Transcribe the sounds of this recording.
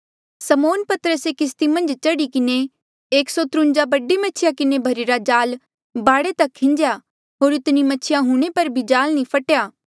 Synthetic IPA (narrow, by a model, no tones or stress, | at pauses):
sɐmoːnpɐt̪ɾəsekɪs̬t̪imɐ̃nd͡ʒt͡ʃɐɽikɪne | eːksɔt̪ɾʊ̃nd͡ʒabɐɖimɐt͡ʃʰɪjakɪnebʱɐɾiɾad͡ʒaːl | baːɽet̪ɐkʰːɪ̃ɲd͡ʒja | ɦoːɾɪt̪nimɐːt͡ʃʰɪjãɦũːɽ̃epɐɾbʱid͡ʒaːlnĩpʰɐʈjaː